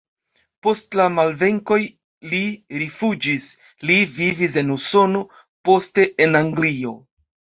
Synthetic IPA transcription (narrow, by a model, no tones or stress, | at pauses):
po̞stlamalve̞ŋko̞j | liɾifud͡ʒis | livivis̬e̞nuso̞no̞ | po̞ste̞ʔenaŋɡlio̞